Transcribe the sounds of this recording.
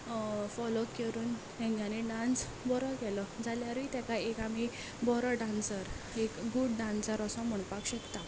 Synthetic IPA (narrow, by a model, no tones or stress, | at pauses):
fɔlokkeɾuːn | ɛ̃ŋɡjãneɖãns | bɔɾɔkɛlɔd͡zʱaljaɾʋit̪akaekami | bɔɾɔɖansəɾ | ekɡuɽɖãnsəɾəsɔ̃m̤əɳ̃pakɕəkt̪a